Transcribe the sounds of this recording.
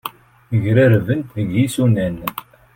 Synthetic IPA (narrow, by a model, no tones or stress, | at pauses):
əʝɾæɾvənt̪ðəɡjisunæn